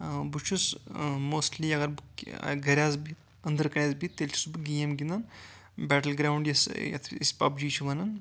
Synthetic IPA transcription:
but͡ʃʰusmoːsʈliɐɡɐɾbukɡɐɾʲjazbit̪ | ɐnd̪əɾkɐɾʲjazbit̪ːelʲt͡ʃʰi̥subɡijemɡʲind̪an | bæʈəlɡɾawuɳɖjɐsjɐ̰t̪ʰḭspapd͡ʒiːt͡ʃʰuʋɐnɐn

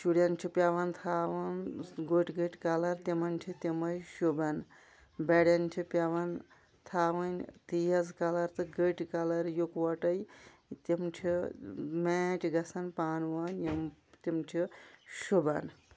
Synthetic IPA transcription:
t͡ʃuɽjant͡ʃʰipʲjaʋɐnt̪ʰaːʋɐnɡoʈɡəʈkalɐɾt̪emɐntʰit̪emɐjʃubɐn | beɽjɐnt͡ʃʰipjaʋɐn | t̪ʰaːʋɐnt̪ijɐzkalɐɾt̪ɨɡəʈkalɐɾjukwɐʈɐj | t̪imt͡ʃʰimeːʈʰʲɡɐsɐnpaːnʋɐnjimt̪imʈʰiʃobɐn

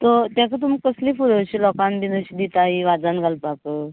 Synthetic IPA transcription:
t̪ɔt̪jãkat̪̬umikːəslifuɽəɕilɔkanbinəɕid̪it̪aiʋad͡zanɡʱalpakə

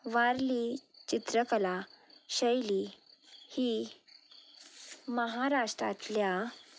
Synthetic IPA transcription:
ʋaɾlit͡ɕit̪ɾəkəlaɕəjli | hiː | məɦaɾaʂʈɾa̰t̪lja

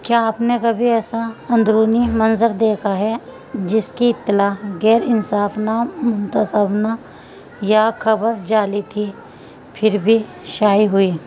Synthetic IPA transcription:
kjaːpnekɐbʱiɛːsaɐ̃nd̪ɾuːnimɐnzəɾd̪eːkʰaɦɛ | d͡ʒɪskiɪt̪ːɪlaːɦɡɛːɾɪnsaːfnamʊ̃nt̪əsəbna | jakʰɐbəɾd͡ʒaːlit̪ʰi | pʰɪɾbʱi | ʃaːiɦʊiː

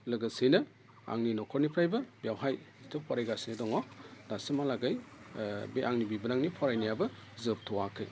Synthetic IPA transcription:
lɐɡɐsejnɐ | a̰ŋninɔkʰɔɾnipʰɾajbɐbijawɦajztʰɯpʰɔɾajɡasinedɔŋɔdasimalaɡaj | beʔaŋnibibɐnaŋnipʰɔɾajnajabɐ | zɯp̚tʰɔwakʰɯj

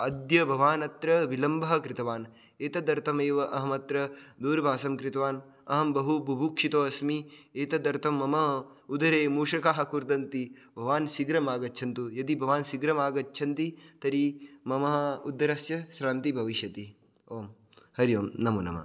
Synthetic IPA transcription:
ɐd̪jɐbʱɐʋaːnɐt̪ɾɐʋilɐmbʱɐɦɐ̆kɾɪt̪ɐʋaːn | eːt̪ɐd̪ɐɾt̪ʰɐmeːʋɐʔɐɦɐmɐt̪ɾɐd̪uːɾbʱaːsɐmkɾɪt̪ɐʋaːn | ɐɦɐmbɐɦubʱɐbʱukʂit̪oːɐsmieːt̪ɐd̪ɐɾt̪ʰɐmːɐmɐɦɐ | ud̪ɐɾeːmuːʂɐkaːɦɐ̆kuɾt̪ɐnt̪ibʱɐʋaːnsiɡɾɐmaːɡɐtːt͡ʃʰɐnt̪ujɐd̪ibʱɐʋaːnsiɡɾɐmaːɡɐtːt͡ʃʰɐnt̪it̪ɐɾimɐmɐɦɐ̆ud̪ːɐɾɐsjɐʃɾaːnt̪ibʱɐʋiʃjɐt̪i | oːm | hɐɾjoːmnɐmunɐ̰mɐ̰

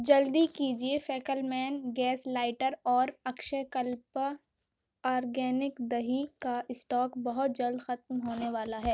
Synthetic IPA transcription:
d͡ʒɐld̪ikiːd͡ʒiefɛːkəlmɛːnɡɛːslaːɪʈəɾɔːɾɐkʃəkɐlp | aːɾɡɛːnɪkd̪ɐɦikaʔɪsʈɔːkbɐɦʊt̪̚d͡ʒɐld̪xɐt̪̚mɦoːneʋaːlaɦɛː

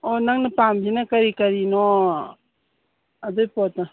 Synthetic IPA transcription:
ɔnaŋnapambinakɐɾikɐɾinɔ | adɔjpɔtna

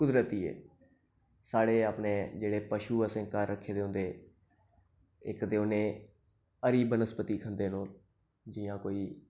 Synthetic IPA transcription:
kʊd̪ɾət̪iːḛː | saːɽeːaːpnẽːd͡ʒeːɽeːpəʃuːəsẽːkəɾːəkʰːeːd̪eːɦʊ̃nd̪eː | ɪ̰kt̪eːʊnẽː | əɾiːbənəspət̪iːkʰənd̪eːnoːl | d͡ʒiːjãːkoːiː

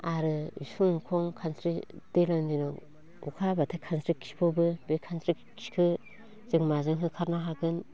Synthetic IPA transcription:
aɾɯḭsuŋkʰɔŋkʰansʰɾid̥elandinɔ | ukʰabatʰekʰansɾikʰi̥pʰɔbɯbekʰansɾi | kʰi̥kʰɯ | zɯŋmazɯŋɦɯkʰaɾnaɦaɡɯn

